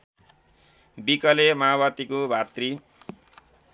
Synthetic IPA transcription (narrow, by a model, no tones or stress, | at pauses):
bikʌlemaaβʌt̪ikobʱat̪ri